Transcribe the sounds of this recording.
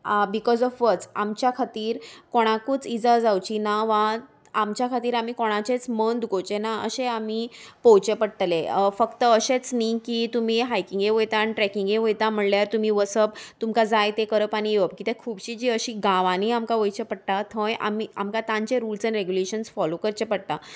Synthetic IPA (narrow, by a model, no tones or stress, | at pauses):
bikɔzɔfʋət͡samt͡ɕjakʰat̪iːɾkoɽ̃akuːt͡sid͡zad͡zawt͡ɕinaʋa | amt͡ɕjakʰat̪iːɾam̤ikoɽ̃at͡ɕet͡smənd̪ɡowt͡ɕenaə̰ɕeamipɔwt͡ɕepəɽʈ̪lefəkt̪əəɕet͡snikit̪um̤iɦajkiŋɡeʋəjt̪aːnʈɾɛkiŋɡeʋəjt̪am̤əɽljaɾt̪um̤iʋəsəb̚t̪umkad͡zajt̪ekəɾəpaɽ̃ijəp̚kit̪ɛkʰuːbɕiːd͡ʑiːəɕiːɡãʋãniamkaʋəjt͡ɕepəɽʈ̪at̪ʰõjʔa̰mia̰mkat̪ãɲt͡ɕeɾuːlsãnɾeɡjuleɕənsfɔlokəɾt͡ɕepəɽt̪a